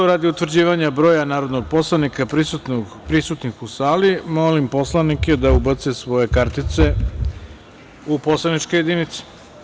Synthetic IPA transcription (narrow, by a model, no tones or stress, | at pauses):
t̪oɾaːd̪iut̪ʋr̩d͡ʑiːʋaɲabɾo̞ːjanaːɾo̞d̪noɡ̚po̞slˠanikapɾiɡpɾisut̪nixusaːlimolimpo̞slˠaniked̪aubat̪sesʋo̞je̞kaɾt̪it̪se̞ | upo̞slˠanit͡ʃkejed̪init̪se̥